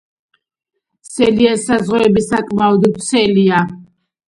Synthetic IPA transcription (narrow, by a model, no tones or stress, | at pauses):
sɛliɛsazʁuɛbisakʼmaɔd̪sʰɛlia